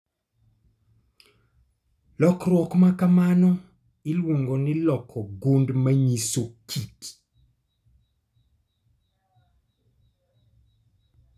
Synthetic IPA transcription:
lɔkrwɔkmakamanɔ | ɪlwoŋɡɔnɪlɔkʰːɔɡondmaɲisokʰit

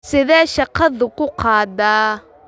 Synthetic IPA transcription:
sɪðɛːʃɑqɑðʊkʰʊqɑːdaː

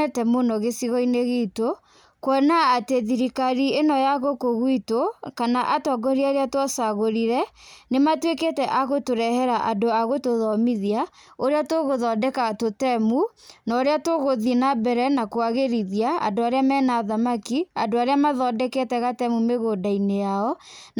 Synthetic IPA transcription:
ɛtɛmonɔɣesiɣɔineɣeto | kwɔnaːteðiɾikaɾienɔjaɣokoɣwitokanaʔatɔɡɔɾiaɾeatwasaɣoɾiɾɛnematweketɛʔaɣotoɾɛhɛɾaʔadoaɣotoðɔmiðia | oɾeatoɣoðɔdɛkatotɛmu | nɔɾeatoɣoðinabɛɾɛnakoaɣeɾiðiaa̰doaɾeamɛnaːðamakiadoaɾeamaðɔdɛketɛɣatɛmumeɣodainejaɔ

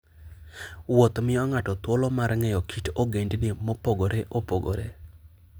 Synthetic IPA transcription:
wot̪mɪɔŋatɔt̪wolɔmarŋɛjɔkʰitoɡendnɪmɔpoɡoɾeʔopoɡo̰ɾe

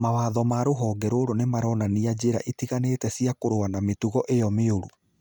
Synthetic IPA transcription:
mawaːðɔmaɾoɦɔːɡɛɾoɾonemaɾɔnaniad͡ʑeɾa̰ʔitiɣanetɛsiakoɾoanametuɣɔʔejɔmeoɾu

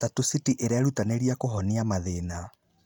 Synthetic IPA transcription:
tatusitiʔeɾaɾutaneɾiakoɦɔniamaðena

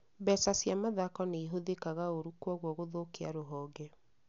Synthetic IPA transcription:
bɛsasjamaðakɔneiɦoðekaɣaoɾukwɔɣwɔɣoðokeaɾoɦɔːɡɛ

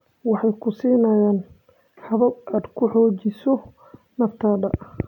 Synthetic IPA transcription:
wɑħɑjkʰʊsiːnɐjaːn | ħɑβɐbaːd̪kʰʊħɔːt͡ʃɪsɔ | nɐft̪ʰɐːdɐʔ

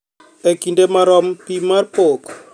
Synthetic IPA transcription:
ekindemaɾɔmpimarpok

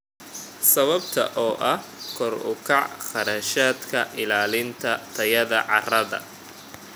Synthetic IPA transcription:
sɐβɐbt̪ʰɐ̰ʔɔːʔɐh | kʰɔrʊ̰kʰɑʕχɑɾaːʃaːd̪kʰɐʔɪlaːlɪnt̪ʰɐt̪ʰɐjɐðɐʕɑ̰rɐðɐ̰

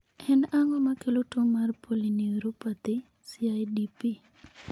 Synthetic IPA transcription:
ɛnaŋɔmakelotoŋmarpʰoliniɾupat̪ɪ | siajdipi

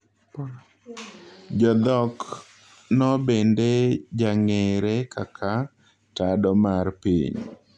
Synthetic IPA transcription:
d͡ʒɔd̪ɔk | nɔbended͡ʒaŋeɾekakʰa | tadɔmarpḭɲ

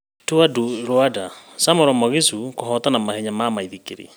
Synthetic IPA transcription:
tuaduɾoadasamoɾɔmɔɣisukoɦɔtanamahɛɲamaːmaiðikeɾḭ

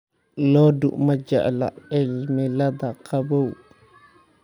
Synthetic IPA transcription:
lɔdṵʔmad͡ʒa̰ʔla̰ɛlmɛlad̪akabow

